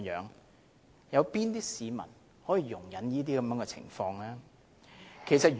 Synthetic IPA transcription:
jœ̰ː˨˥ŋ | jɐ˨˧wpiː˥nt̪iː˥siː˨˧mɐ̰˨˩n | hɔː˨˥jiː˨˧jʊ˨˩ŋjɐ˨˥njiː˥t̪̬iː˥kɐ˨˧mjœː˧˥ŋkɛ˧t͡sʰɪ̰˨˩ŋfɔː˧ŋlɛː˥ | kʰe˨˩jsɐ˨t̚ː

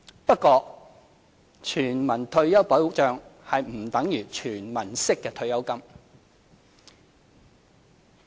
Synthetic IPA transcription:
pɐ˥t̚kːɔː˧ | t͡ʃʰyː˨˩nmɐ˨˩nt̪ʰɵ˧ɥjɐ˥wpɐ˨˥wt͡ʃœː˨˧ŋhɐ˨jm̩˨˩t̪ɐ˨˥ŋjyː˨˩t͡ʃʰyː˨˩nmɐ˨˩nsɪ˥kːɛː˧t̪ʰɵ˧ɥjɐ˥wkɐ˥m

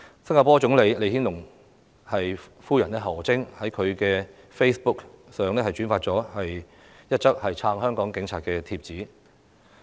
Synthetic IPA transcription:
sɐ˥ŋaː˧pɔː˥t͡sʊ˨˥ŋle˨˧jle˨˧jhiː˥nlʊ˨˩ŋ | hɐ˨jfuː˥jɐ˨˩nɛ˥ɦɐ˨˩wt͡sɪ˥ŋhɐ˨˥jkʰɵ˨˧ɥkɛː˧ | fe˥jspʊ˥ksœː˨ŋlɛː˥hɐ˨jt͡ʃyː˨˥nfaː˧t̚t͡sɔː˨˥hɐ˨j | jɐ˥t̚t͡sɐ˥k̚hɐ˨jt͡sʰaː˧ŋɦœː˥ŋkɔː˨˥ŋkɪ˨˥ŋt͡sʰaː˧t̚kɛː˧t̪ʰiː˧p̚t͡siː˨˥

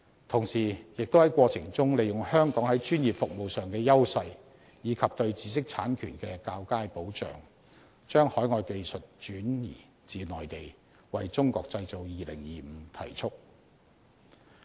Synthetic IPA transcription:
t̪ʰʊ˨˩ŋsiː˨˩jɪ˨k̚t̪o˥hɐ˨˥jkʷɔː˧t͡sʰɪ˨˩ŋt͡sʊ˥ŋle˨˩jʊ˨˩ŋhœː˥ŋkɔː˨˥ŋhɐ˨˥jt͡ʃyː˥njiː˨˩p̚fʊ˨k̚mo˨wsœː˨ŋkɛː˧jɐ˥wsɐ˧j | jiː˨˧˥kʰɐ˨p̚t̪ɵ˧ɥt͡siː˨˥sɪ˥k̚t͡sʰa̰ː˨˥nkʰy̰ː˨˩nkɛː˧kaː˧wkaː˥jpo˨˥wt͡ʃœ̰ː˨˩ŋ | t͡ʃœː˥ŋhɔː˨˥jŋɔː˧jke˧jsɵ˨t̚t͡ʃyː˨˥njḭː˨˩ | t͡siː˨nɔː˨˩jt̪e˨˩j | wɐ˨jt͡sʊ˥ŋkɔː˧k̚t͡sɐ˧jt͡so˨wjiː˨lɪ̰˨˩ŋjiː˨m̩˨˧t̪ʰɐ̰˨˩jt͡ʃʰʊ˥k̚

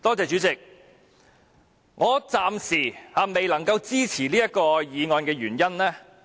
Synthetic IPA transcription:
t̪ɔː˥t͡sɛː˨˧t͡ʃyː˨˥t͡sɪ˨k̚ | ŋʔɔː˨˧t͡saː˧msiː˨˩haː˨˧me˨jlɐ˨˩ŋkɐ˧wt͡siː˥t͡sʰiː˨˩liː˥jɐ˥t̚kɔː˧jiː˨˧ŋɔː˨˧nkɛː˧ɥyː˨˩njɐ˥nlɛː˥

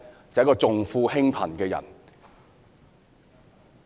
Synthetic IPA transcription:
t͡sɐ˨jɐ˥kːɔː˧t͡sʊ˨ŋfuː˧hɪ˥ŋpʰɐ̰˨˩nkɛː˧jɐ̰˨˩n

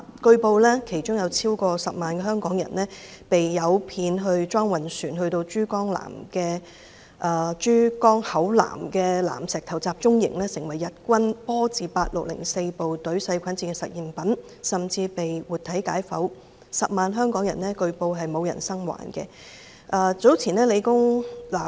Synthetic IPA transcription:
kɵ˧ɥpo˧wlɛː˥kʰe˨˩jt͡ʃʊ˥ŋjɐ˨˧wt͡sʰiː˥wkɔː˧sɐ˨p̚maː˨nkɛː˧hɦœː˥ŋkɔː˨˥ŋjɐ̰˨˩nlɛː˥pe˨jjɐ˨˧wpʰiː˨˧nɦɵ˧ɥt͡ʃɔː˥ŋwɐ˨˩nsyː˨˩nhɵ˧ɥt̪o˧wt͡ʃyː˥kɔː˥ŋla̰ː˨˩mkɛː˧ | ʔaː˨˧t͡ʃyː˥kɔː˥ŋhɐ˨˥wla̰ː˨˩mkɛː˧la̰ː˨˩msɛː˨k̚t̪ʰɐ˨˩wt͡saː˧p̚t͡ʃʊ˥ŋjɪ̰˨˩ŋlɛː˥sɪ˨˩ŋwɐ˨˩jːɐ˨t̚kʷɐ˥npɔː˥t͡siː˨paː˧t̚lʊ̰˨k̚lɪ̰˨˩ŋse˧jpo˨wt̪ɵ˨˥ɥsɐ˧jkʰɐ˨˥nt͡siː˧˥kɛ˧sɐ̰˨t̚jiː˨˩mpɐ˨˥n | sɐ˨mt͡siː˧pe˨jwuː˨t̪ʰɐ˨˥jkaː˨˥jfɐ˨˥w | sɐ˨p̚maː˨nɦœː˥ŋkɔː˨˥ŋjɐ˨˩nɛː˥kɵ˧ɥpo˧wɦɐ˨jmo˨˧wjɐ̰˨˩nsɐ˥ŋwa̰ː˨˩nkɛː˧ | ʔɐː˨˧t͡so˨˥wt͡sʰiː˨˩nɛː˥le˨˧jkʊ˥ŋlaː˨˩

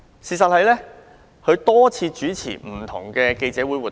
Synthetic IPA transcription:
siː˨sɐ˨t̚hɐ˨jlɛː˥ | kʰɵ˨˧ɥt̪ɔː˥t͡sʰiː˧t͡ʃyː˨˥t͡sʰḭː˨˩m̩˨˩t̪ʰʊ̰˨˩ŋkɛː˧ke˧jt͡sɛː˨˥wuː˨˥jwuː˨˩t

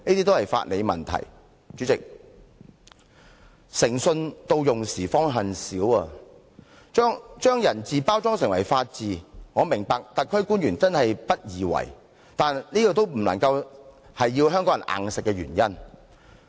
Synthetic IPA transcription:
niː˥t̪iː˥t̪o˥whɐ˨jfa̰ː˧t̚le˨˧jmɐ̰˨nt̪ʰɐ̰˨˩j | t͡ʃyː˨˥t͡sɪ˨k̚ | sɪ˨˩ŋsɵ˧nt̪o˧wjʊ˨ŋsiː˨˩fɔː˥ŋɦɐ˨nsiː˨˥wɐː˨ | t͡ʃɔː˥ŋt͡ʃœː˥ŋjɐ˨˩nt͡siː˨paː˥wt͡sɔː˥ŋsɪ˨˩ŋwɐ̰˨˩jfaː˧t̚t͡siː˨ŋɔː˨˧mɪ˨˩ŋpaː˨˧k̚t̪ɐ˨t̚kʰːɵ˥ɥkuː˥nɥyː˨˩nt͡sɐ˥nhɐ˨jpɐ˥t̚jiː˨wɐ̰˨˩j | t̪aː˨nniː˥kɔ˧t̪̬o˥wm̩˨˩lɐ̰˨˩ŋkɐ˧w | hɐ˨jːiː˧wɦœː˥ŋkɔː˨˥jɐ˨˩nʔa̰ː˨ŋsɪ˨kːɛː˧ɥyː˨˩njɐ˥n

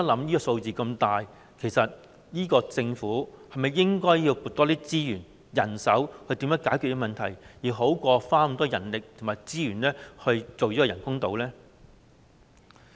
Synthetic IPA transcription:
ɐ˥lɐ˨˥mjiː˥kɔː˧so˧wt͡siː˨kɐ˧mt̪aː˨j | kʰe˨˩jsɐ˨t̚ | jiː˥kɔː˧t͡sɪ˧ŋfuː˨˥hɐ˨jmɐ˨jːɪ˥ŋkɔː˥jːiː˧wku˨˧t̚t̪ɔː˥t̪iː˥t͡siː˥jyː˨˩n | jɐ˨˩nsɐ˨˥whɵ˧jt̪iː˨˥mjœː˨˥ŋkaː˨˥jkʰy˨jɛ˧˥mɐ˨nt̪ʰɐ˨˩jjiː˨˩ɦo˨˥wkʷɔː˧faː˥˨˩t̪ɔː˥jɐ˨˩nlɪ˨k̚t̪ʰʊ˨˩maː˨˩jt͡siː˥jyː˨˩nlɛː˥hɵ˧ɥt͡so˨wjiː˦˥ɔː˧jɐ˨˩nkʊ˥ŋt̪o˨˧wlɛː˥

